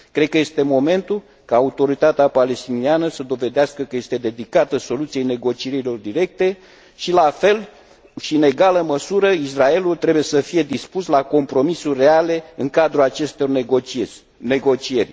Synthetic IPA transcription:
kɾed̪̚kəje̞st̪e̞mo̞me̞nt̪ul | kaːut̪o̞ɾit̪at̪eapale̞st̪inianəsəd̪o̞ve̞d̪easkəkəje̞st̪e̞d̪e̞d̪ikat̪əso̞lut̪sije̞jne̞ɡo̞t͡ʃieɾilo̞rd̪iɾe̞k̚t̪e̞ | ʃilafe̞l | ʃine̞ɡaləməsuɾəisrae̞lult̪ɾe̞buje̞səfije̞d̪ispuslako̞mpɾo̞misurʲːe̞ale̞ɨŋkad̪ɾuat͡ʃe̞st̪o̞r | ne̞ɡo̞t͡ʃie̞rʲ

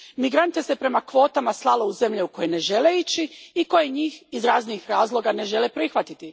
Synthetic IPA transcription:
miɡɾant̪ese̞pɾe̞makʋo̞ːt̪amaslˠalo̞uze̞mʎeuko̞jene̞ʒe̞leit͡ɕiiko̞je̞ɲiːxizɾaːzniixɾaːzlˠo̞ɡane̞ʒe̞lepɾixʋat̪it̪i

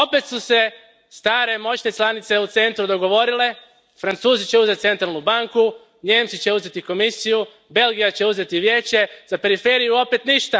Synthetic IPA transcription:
o̞pe̞t̪suse̞ | st̪aːɾe̞mo̞t͡ɕne̞t͡ʃlanit̪se̞ut̪se̞nt̪ɾud̪o̞ɡo̞ʋo̞ɾile̞ | fɾant̪suːzit͡ɕe̞uzet̪se̞nt̪ɾalnubaŋku | ɲe̞ːmt̪sit͡ɕe̞uze̞t̪iko̞misiju | be̞lɡijat͡ɕe̞uze̞t̪iʋje̞ːt͡ɕe̞z̥ape̞ɾife̞ɾijuo̞pe̞t̪niʃt̪a

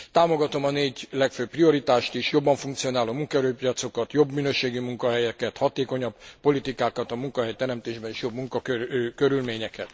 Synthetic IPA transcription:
t̪aːmo̞ɡɒt̪o̞mɒneːɟlɛkføːpːrio̞ɾit̪aːʃt̪iʃjo̞bːɒɱfuŋkt̪sio̞naːloːmuŋkɒɛɾøːpijɒt̪so̞kɒt̪jo̞bminøːʃeːɡimuŋkɒɦɛjɛkɛt̪hɒt̪eːko̞ɲɒbpo̞lit̪ikaːkɒt̪ɒmuŋkɒɦɛjt̪ɛɾɛmt̪eːʒbɛniʃjo̞bmuŋkɒkøkøɾylmeːɲɛkɛt̪

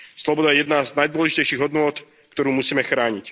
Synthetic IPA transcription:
slɔbɔd̪ajɛjɛd̪naznajd̪ʊɔlɛʒicɛjʃiːɣɦɔd̪nʊɔt̪ | kt̪ɔɾuːmusiːmɛxɾaːɲic

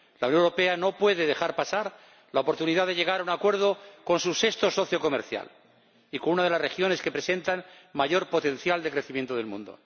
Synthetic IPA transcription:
lawnjonewɾope̞ano̞pwe̞ðe̞ðexaɾpasaɾ | laopo̞ɾt̪uniðaðeʎe̞ɣ̞aɾaunakwe̞ɾð̞o̞ko̞nsusest̪o̞so̞θjoko̞mḛɾθja̰l | ikonunaðelasre̞xjo̞ne̞ske̞pɾe̞se̞nt̪anmaʝo̞ɾpo̞t̪ẽ̞n̟θjald̪e̞kɾeθimje̞nt̪oð̞e̞lmṵ̃nd̪o̰

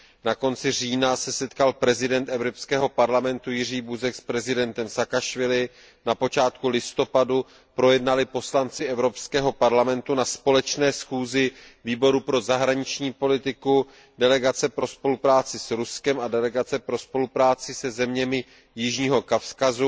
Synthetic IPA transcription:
nako̞nt͡sɪr̝iːnasɛsɛt̪kalpɾɛzɪdɛnt̪ɛvɾopskɛːɦo̞paɾlamɛnt̪ujɪr̝iːbuzɛkspɾɛzɪdɛnt̪ɛmsakaʃvɪlɪ | napo̞t͡ʃaːt̪̚kulɪst̪o̞padu | pɾo̞jɛdnalɪpo̞slant͡sɪʔɛvɾo̞pskɛːɦo̞paɾlamɛnt̪unaspo̞lɛt͡ʃnɛːsxuːzɪviːbo̞ɾupɾo̞zaɦɾaɲɪt͡ʃɲiːpo̞lɪt̪ɪku | dɛlɛɡat͡sɛpɾo̞spo̞lupɾaːt͡sɪsɾuskɛmadɛlɛɡat͡sɛpɾo̞spo̞lupɾaːt͡sɪsɛzɛmɲɛmɪ | jɪʒɲiːɦo̞kafskazu

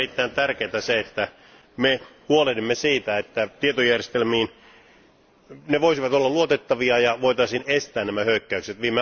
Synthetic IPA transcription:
rit̪ːæint̪ærkeːt̪æseet̪ːæ | mehuolelimːesiːt̪æet̪ːæt̪iet̪ojærjest̪elmiːn | neʋoisiʋɑt̪olːɑluot̪et̪ːɑʋiɑjɑʋoit̪ɑisiːnest̪æːnnæmæhøykːæykset̪ʋiːmːe

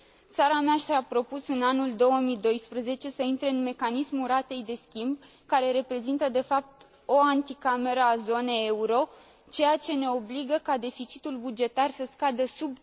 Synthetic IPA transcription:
t̪saɾameaʃt̪ɾaapɾo̞pusɨnanuld̪o̞wəmid̪o̞jspɾəze̞t͡ʃe̞səint̪ɾe̞ɨnme̞kanismuɾat̪e̞jd̪e̞skʲimb̚ | kaɾe̞ɾe̞pɾe̞zint̪əd̪e̞fap̚t̪ | o̞ant̪ikame̞ɾəazo̞ne̞jeuɾo̞ | t͡ʃe̞jat͡ʃe̞ne̞o̞bliɡəkad̪e̞fit͡ʃi̥t̪ulbud͡ʒe̞t̪arsəskad̪əsub̚

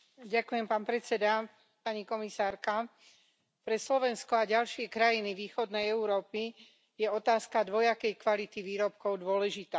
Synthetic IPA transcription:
ɟakujɛmpaːnpɾɛt͡sɛd̪a | paɲikɔmisaːɾka | pɾɛslɔʋɛnskɔaɟalʃɪɛkɾajiniʋiːxɔd̪nɛjɛuɾɔːpi | jɛɔt̪aːskad̪ʋɔjakɛjkʋalit̪iʋiːɾɔp̚kɔʊd̪ʊɔlɛʒit̪aː

